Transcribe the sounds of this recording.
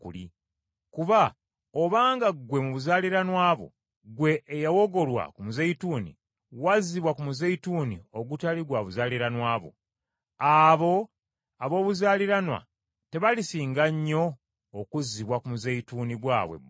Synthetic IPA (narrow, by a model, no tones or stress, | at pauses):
kṵli | kuβa | oβaːŋɡaɡwe̞muβuzaːliɾanwaːβo̞̰ | ɡwe̞ʔːjawo̞ɡo̞lwa̰kumuzeituːnḭ | waziβwakumuzeituːnḭo̞ɡutaliɡwaβuzaːliɾanwaːβo̞̰ | aβo̞ | aβo̞ːβuzaːliɾanwa̰ | te̞βalisiːŋɡaɲːo̞ː | kuziβwakumuzeituːniɡwa̰ːβwḛ